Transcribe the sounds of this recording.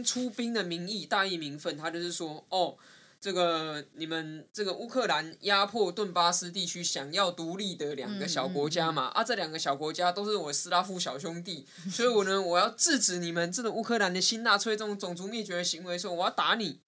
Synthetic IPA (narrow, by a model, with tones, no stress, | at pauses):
ʈ͡ʂʰu˥pi˥ŋd̪ə˨mi˧˥ŋi˥˧t̪a˥˧i˥˩mi˧˥ŋfə˥˨nt̪ʰa˥t͡ɕjo˥˧ʊʂɻ̩˥˩swɔ˥ɔ˥˩ | t͡sɤ˥˩ɡə˨˩ni˨˩mə˦nt͡sə˥˩ɡə˩ʔu˥kʰɤ˥˨la˧˦nja˦pʰwɔ˥˧t̪wə˥˩npa˥sɹ̩˦t̪i˥˩t͡ɕʰy˥ɕjɑ˨˩ŋjɑ˥˩ʊt̪u˧˥li˥˩d̪ə˨ljɑ̰˨˩ŋɡə˦ɕjɑ˨˩ʊkwɔ˧˥t͡ɕja˥ma̰˨ʔa̰˦t͡sɤ˥˩ljɑ˨˩ŋɡə˦˩ɕjɑ˨˩ʊkwɔ˧˥t͡ɕja˥t̪o˥ʊʂ̩˥˩wɔ˨˩˦sɹ̩˥la˥fu˥˩ɕjɑ˨˩ʊɕjʊ˥ŋt̪i˥˨ | swɔ˧˥˩wɔ˨˩nə˧wɔ˨˩jɑ˥˧ʊt͡sɹ̩˥˨ʈ͡ʂɻ̩˨˩ni˨˩mə˨nt͡sə˥˩ɡə˨˩u˥kʰɤ˥˩˨la˧˦nd̪ə˨ɕi˥nt̪a˥˩t͡sʰwe˥ɪt͡sə˥˩˨ŋt͡sʊ˨˩ŋt͡su˧˥mjɛ˥˩t͡ɕɥɛ˧˥d̪ə˧ɕi˧˥ŋwe˧˥ɪswɔ˥wɔ˨˩jɑ˥˩ʊt̪a˧˥ni˨˩˦